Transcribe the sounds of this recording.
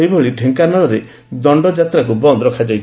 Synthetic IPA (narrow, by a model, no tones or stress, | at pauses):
ejbʱoɭiʈʰeŋkanɔɭɔɾe | d̪ɔɳɖɔd͡ʒat̪ɾakubɔnd̪ɾɔkʰad͡ʒajt͡ʃʰ